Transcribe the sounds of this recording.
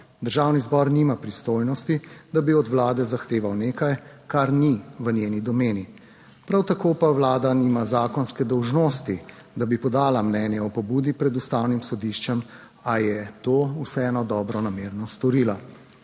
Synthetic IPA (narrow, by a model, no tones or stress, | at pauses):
d̪əɾʒawnizbɔɾnimapɾist̪ojnɔst̪id̪abiɔd̪ʋlaːd̪ɛzaxt̪eːʋawneːkajkaɾniʋənʲjeːnid̪ɔmeːni | pɾawt̪akoːpawlaːd̪animazaːkɔnskɛd̪ɔwʒnoːst̪i | d̪abipɔd̪aːlamnɛːnjɛɔpɔbuːd̪ipɾɛd̪ust̪awnimsɔd̪iʃt͡ʃɛm | ajɛt̪oːusɛɛnɔd̪ɔːbɾɔnameːɾnɔst̪ɔɾiːla